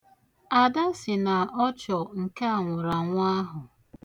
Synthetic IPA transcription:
a˨da˦sɪ˨na˨ɔ˦t͡ʃɔ˨ŋ̩˨ke˦a˨ŋʷʊ˨ɾa˨ŋʷa˦ɦʊ˨

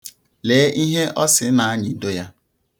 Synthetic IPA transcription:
leː˨˦ʔi˦ɦe˦ʔɔ˦sɪ˨˦na˨a˦ɲɪ˨˦do˦ja˦

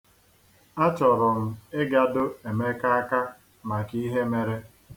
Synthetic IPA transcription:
a˦t͡ʃɔ˨ɾʊ˨m̩˦e˦ɡa˨dʊ˦e˨me˦ka˦a˦ka˦ | ma˨ki˦ɦe˦me˨ɾe˦

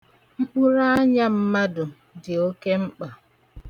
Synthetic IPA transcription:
ŋ͡m̩˦k͡pu˦ɾa˦ɲa˦m̩˦ma˦dʊ˨ | dɪ˨o˦ke˦m̩˦k͡pa˨

